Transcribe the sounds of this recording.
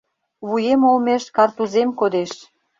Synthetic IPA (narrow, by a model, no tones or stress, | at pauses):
βujemolmeʃkɑrt̪uzemkod̪eʃ